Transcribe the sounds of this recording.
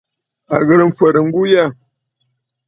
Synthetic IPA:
a̰˨ɣə˨ɾm̩˦fə˨ɾə˨ŋ̩˦ɡu˦ja˦˨

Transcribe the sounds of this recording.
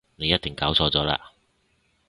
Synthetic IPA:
ne˨˧jɐ˥t̚t̪ɪ˨ŋkaː˨˥wt͡sʰɔː˧t͡sɔː˨˥la̰ː˧

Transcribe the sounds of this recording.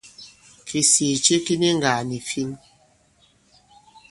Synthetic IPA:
kʰi˨si˨t͡ʃe˦ki˦ni˦ŋɡa˨ni˨fi˦n

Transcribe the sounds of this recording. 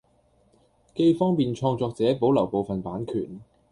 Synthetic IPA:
ke˧jfɔː˥ŋpiː˨nt͡ʃʰɔː˧ŋt͡sɔː˨˧k̚t͡sɛː˨˥po˨˥wlɐ˨˩wpo˨˧wfɐ˨npaː˨˥nkʰy̰ː˨˩n

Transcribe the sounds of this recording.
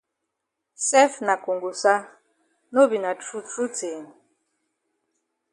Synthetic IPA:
sɛ˦fna˨ko˨ŋɡu˨sa˦ | no˦bi˨na˨t͡ʃu˦tu˦teː˨n

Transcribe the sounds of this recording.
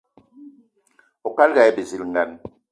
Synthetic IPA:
o˨ka˦lɡa˨jbe˨zi˨lŋ˨ɡa˨n

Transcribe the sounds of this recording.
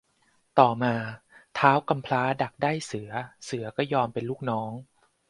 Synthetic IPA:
t̪ɔː˨˩maː˧t̪ʰaː˦˥wka˧mpʰlaː˦˥da˨˩k̚daː˥˩jsɯ˩˦ɐsɯ˩˦ɐkɔː˥˩jɔː˧mpe˧nluː˥˩k̚nɔː˦˥ŋ

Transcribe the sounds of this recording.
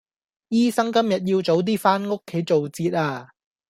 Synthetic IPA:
jiː˥sɐ˥ŋkɐ˥mjɐ˨t̚jiː˧wt͡so˨˥wt̪̬iː˥faː˥nŋʊ˥kʰːe˨˥jt͡so˨wt͡siː˧t̚aː˧

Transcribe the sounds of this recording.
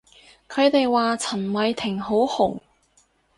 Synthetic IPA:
kʰɵ˨˧ɥt̪e˨˧jwaː˨t͡sʰɐ˨˩nmɐ˨˧jt̪ʰɪ˨˩ŋɦo˨˥whʊ˨˩ŋ

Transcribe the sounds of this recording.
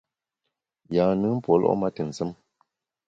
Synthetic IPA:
jaː˨nɨ˦m̩˦pwɔ˨˦lʔɔ̰˦ma˦tɨ˨n̩˨sə˦m

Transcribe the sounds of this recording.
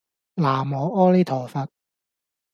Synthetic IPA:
laː˨˩mɔː˨˦ʔɔː˥le˥t̪ʰɔː˨˩fɐ˧t̚

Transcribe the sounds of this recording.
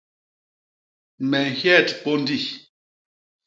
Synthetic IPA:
mɛ˨ŋ˨hjɛ˦˨tpo˦n˦di˦˨

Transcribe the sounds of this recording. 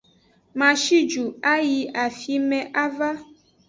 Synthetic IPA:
mã˨ʃi˦d͡ʒu˨a˦ji˧a˨fi˦mɛ̃˨ʔa˦va˦

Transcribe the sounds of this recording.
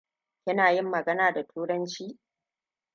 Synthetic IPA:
kʲɪ˦naː˨jɪ˦mːɐ˨ɡɐ˦naː˨da˨tʰuː˦ɽɐ˦nt͡ʃiː˦

